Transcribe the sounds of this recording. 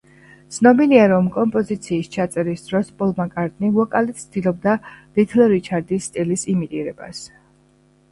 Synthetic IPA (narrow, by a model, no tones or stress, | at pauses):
t̪sʰnɔbiliaɾɔmkʼɔmpʼɔzit̪sʰiːst͡ʃʰat̪sʼɛɾisd̪ɾɔspʼɔlˠmakʼaɾt̪ʼnivɔkʼalit̪sʰd̪̥ilˠɔb̚d̪alit̪ʰlɛɾit͡ʃʰaɾd̪isːt̪ʼilisimit̪ʼiɾɛba̰s